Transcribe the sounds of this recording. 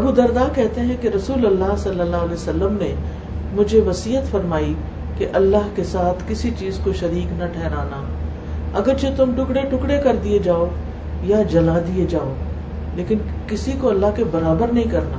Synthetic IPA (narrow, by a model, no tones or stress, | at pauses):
ɐbud̪ɐɾd̪aːkɛɦt̪eɦɛ̃keɾɐsuːlɐlːaːɦsɐlːəlːaːɦlɛsɐlːəmnẽ | mʊd͡ʒʱeʋɐsiːɦət̪fɐɾmaːi | keʔɐlːaːɦkesaːt̪ʰkɪsit͡ʃiːzkoʃɐɾiːknɐʈʰɛːɦɾaːnaː | ɐɡəɾt͡ʃet̪ʊmʈʊkɽeʈʊkɽekɐɾd̪ied͡ʒaːo | jad͡ʒɐlad̪ied͡ʒaːoː | leːkɪnkɪsikoɐlːaɦkebɐɾaːbəɾnɐɦĩkɐɾna̰ː